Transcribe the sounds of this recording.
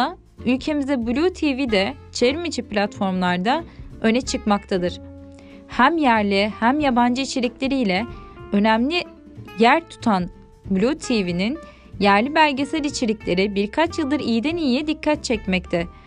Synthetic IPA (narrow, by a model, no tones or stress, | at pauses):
a | ylʲcʰe̞mizɛbulʲut̪ʰivid̪ɛ | t͡ʃʰeɾmid͡ʒiplʲat̪fo̞ɾmlˠaɾd̪aø̞nɛt͡ʃʰɯkmakt̪ʰad̪ɯɾ̥ | hæmjæɾlʲihæmjaband͡ʒɯit͡ʃʰe̞lʲiclʲe̞ɾijlʲɛø̞næmlʲi | jæɾt̪ʰu̥t̪ʰan | bulʲut̪ʰivinin | jæɾlʲibælʲɟesæɾit͡ʃʰe̞lʲiclʲe̞ɾibiɾkʰat͡ʃjɯlˠd̪ɯɾijd̪ɛnijjɛd̪ikʰːat̪̚t͡ʃʰɛcmɛc̚t̪ʰɛ